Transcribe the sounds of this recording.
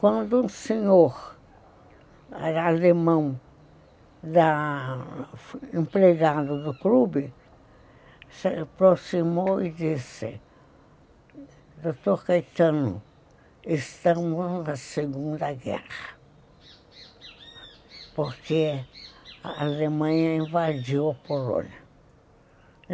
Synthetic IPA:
kwɐ̃nd̪ʊũseɲoɾ | d̪aalemɐ̃w̃ | d̪a | ĩmpɾeɡad̪ʊd̪ʊklubɪ | sepɾosimoid̪isɪ̰ | d̪ot̪oɾkajt̪ɐ̃nʊ̰ | est̪ɐ̃mʊznɐseɡũnd̪ɐɡɛ̰hɐ | poɾke | aalemɐ̃ɲɐĩvad͡ʒiwɐpolõ̰niɐ

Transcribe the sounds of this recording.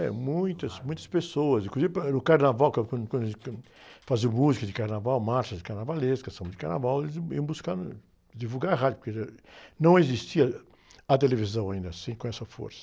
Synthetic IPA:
ɛ̰mũj̃t̪ɐsmũj̃t̪ɐ̥spesoɐsĩkluzivɪpɐnʊkaɾnavawkɐ̃kɐ̃d̪kwɐ̃d̪ek | fazimuzikɐd̪ɪkaɾnavawmaɾʃɐd͡ʒɪkaɾnavaleskɐst̪ɐ̃mɐ̃d͡ʒɪkaɾna̰vawelɪzḭɐ̃buskɐ̃d̪ʊ̰ | d̪ivuɡaɾɐɦad͡ʒʊpʊɾkeɐnɐ̃w̃ezist͡ʃiɐ | ɐt̪elevizɐ̃w̃aĩnd̪ɐsĩkõɛsɐfo̰ɾsɐ̥

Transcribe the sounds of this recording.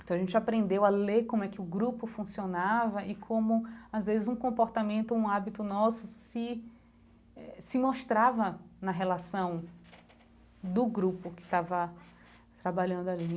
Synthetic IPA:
ẽt̪ɐ̃w̃aʒẽt͡ʃɪapɾẽnd̪ewalekõmʊɛkɪʊɡɾupʊfũsionavɐʔɪkʰõmʊazvezɪzũkõpoɾt̪amẽnt̪ʊũabit̪ʊnɔsʊsɪ | ɛsɪmoʃt̪ɾavɐnɐɦelasɐ̃w̃ | d̪ʊɡɾupʊkɪ̥t̪avɐ | t̪ɾabaʎɐ̃nd̪ʊali

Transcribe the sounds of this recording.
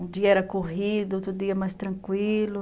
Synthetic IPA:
ũd͡ʒiɐɛɾɐkoɦid̪ʊot̪ɾʊd̪iɐmajst̪ɾɐ̃kwilʊ

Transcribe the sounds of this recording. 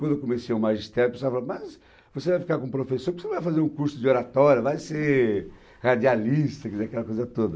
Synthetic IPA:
kwɐ̃nd̪ewkomesejũmaʒist̪ɛɾjpesoaɾfalamɐs | vosevajfi̥kaɾkõpɾofesoɾpvoseñvajfazeɾũkuɾsʊd͡ʒɪoɾat̪ɔɾjɐvajse | had͡ʒialist̪ɐkɛzeɾɐkɛlɐkojzɐt̪od̪ɐ

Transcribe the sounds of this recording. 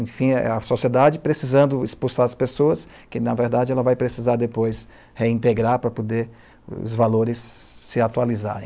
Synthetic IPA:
ẽfḭ̃ɐsosied̪ad͡ʒɪpɾesizɐ̃nd̪ʊɪspusaɾɐspesoɐs | kɪnɐveɾd̪ad͡ʒɪɛlɐvajpɾesizaɾd̪epojs | heĩnt̪eɡɾaɾpɾɐpod̪eɾ | ʊ̰zvaloɾɪsːɪat̪ualiza̰ɾḛ̃

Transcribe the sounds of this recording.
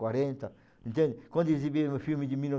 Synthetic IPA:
waɾẽnt̪ɐ | ẽnt̪ẽnd̪ɪkwɐ̃nd̪ziβimufilmɪd̪ɪmilnɔ

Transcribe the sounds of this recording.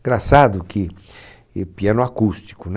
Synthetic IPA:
ɡɾasad̪ʊkɪ | piãnʊakust̪i̥kʊn

